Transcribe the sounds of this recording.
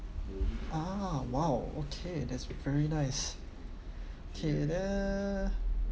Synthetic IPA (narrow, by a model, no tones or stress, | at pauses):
ʔawaʊo̰kʰeɪðætsv̥ɛɹinaɪs | okʰedɛ